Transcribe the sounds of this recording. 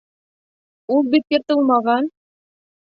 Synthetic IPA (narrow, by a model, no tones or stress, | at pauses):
ulˠbit̪̚kɘ̆t̪ɤlˠmɑʁɑn